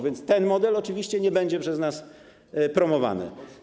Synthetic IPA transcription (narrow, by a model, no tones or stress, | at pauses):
vʲjɛnt̪st̪ɛnmɔd̪ɛlɔt͡ʂɘvʲiɕt͡ɕɛɲɛbɛɲd͡ʑɛpʂɛznas | pɾɔmɔva̰nɘ̰